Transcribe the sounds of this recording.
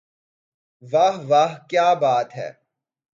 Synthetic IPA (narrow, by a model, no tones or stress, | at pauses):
ʋaɦʋaːɦkjaːbaːt̪ɦɛ̰ː